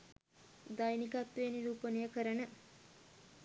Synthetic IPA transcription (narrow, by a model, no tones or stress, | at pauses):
d̪ajnikat̪ːʋeːniɾuːpənəjəkəɾənə